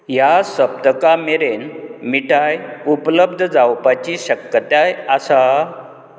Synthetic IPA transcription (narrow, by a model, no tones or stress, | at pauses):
jasəb̚d̪əkameɾenmiʈajupləbd̪ʱəd͡zawpat͡ɕiɕəkːət̪jajasa